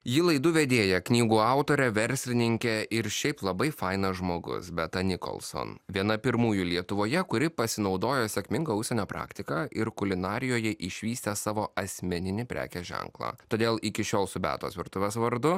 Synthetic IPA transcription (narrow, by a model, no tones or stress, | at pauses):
jɪlˠɐɪd̪ʊʋʲɛd̪ʲeːjɛknʲiːɡuːɑˑʊt̪oːɾʲɛʋʲɛɾʲsʲlʲɪnʲɪŋʲkʲɛɪɾʃʲɛɪplˠɐbɐɪfɐɪnɐʒmoːɡʊ̰sbʲɛt̪ɐnʲɪko̰lˠso̰nʋʲiɛnɐpʲɪɾmuːjʊlʲiɛt̪ʊʋoːjɛkʊɾʲɪpɐsʲɪnɒʊd̪oːjɛsʲɛkʲmʲɪŋɡɐʊʃʲsʲɛnʲoːpɾɑ̰ːkt̪ʲɪkɑːɪɾkʊlʲɪnɑːɾʲɪjoːjɛʔɪʃʲʋʲiːsʲt̪ʲɛsɑːʋoːɐsʲmʲɛnʲɪnʲɪpʲɾʲæ̰ːkʲɛʒʲɛ̰ŋklˠɑ̰ːt̪oːd̪ʲeːlˠɪkʲɪʃʲoːlˠsʊbʲæ̰ːt̪o̰ːsʋʲɪɾt̪ʊʋʲeːsʋɐɾd̪ʊ